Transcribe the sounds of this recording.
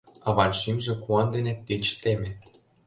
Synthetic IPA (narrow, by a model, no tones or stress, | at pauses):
ɑβɑnʃimʒĕkuɑnd̪enet̪et͡ɕt̪emʲĕ